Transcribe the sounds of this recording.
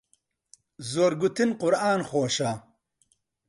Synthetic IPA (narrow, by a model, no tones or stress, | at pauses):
zoːɾɡut̪inqʊɾaːnxoːʃa